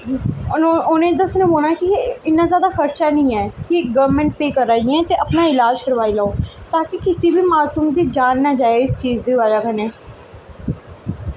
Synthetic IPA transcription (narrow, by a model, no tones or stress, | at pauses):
ʊnẽːd̪aʊsnẽːboːɽ̃aːkiɪnːãːzjaːd̪aːxəɾt͡ʃaːnəĩːɛːkɪɡəʋɾmɛ̃ɳʈ̚peːkəɾːaːiɛ̃ːt̪eːʔəpnaːɪlaːd͡ʒkəɾʋaːilaːoːt̪aːkɪkɪsibʱiːmaːsuːmd̪iːd͡ʒaːnːaːd͡ʒaːeɪst͡ʃiːzd̪iːʋaːd͡ʒaːkəneː